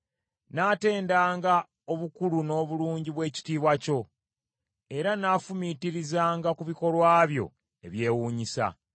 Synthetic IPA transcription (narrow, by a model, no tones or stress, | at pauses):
naːte̞ːndaːŋɡa | o̞βukuluno̞ːβuluːɲɟiβwe̞ːci̥tiːβwaco̞ | e̞ɾanaːfumitiɾizaːŋɡakuβiko̞lwaːβjo̞̰ | e̞̰βje̞ːwuːɲisa̰